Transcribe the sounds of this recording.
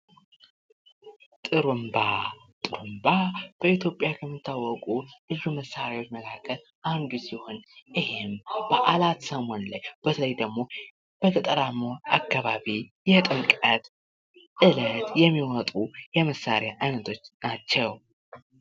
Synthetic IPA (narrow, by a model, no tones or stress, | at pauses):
t̪ʼɨɾumba | t̪ʼɨɾumbab̥əit̪ʰjo̞pʼjakʰəmːit̪ʰːawːɔkʼulɨzuməsːaɾawot͡ʃːməkʰakʰəl | ʔand̪usiho̞nʔɨhemb̥əʔalat̪səmo̞nlajb̥ət̪ʰələjd̪əɡmo̞ | b̥ət̪ʰət̪ʼəɾamːoakːaβaβijɛt̪ʼɨŋkʼət̪ | ʔɨlət̪jɛmːiwɔt̪ʼujɛməsaɾjaʔajnət̪ʰo̞t͡ʃːnat͡ʃːɛw